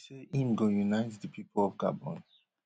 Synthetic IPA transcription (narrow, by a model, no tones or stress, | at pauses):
seʔĩmɡõjunaɪtdəpʰipʰolɔvɡa̰bɔ̰̃ns